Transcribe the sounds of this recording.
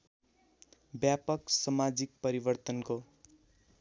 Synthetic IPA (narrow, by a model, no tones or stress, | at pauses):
bjapʌksʌmad͡zik̚pʌɾibʌrt̪ʌnko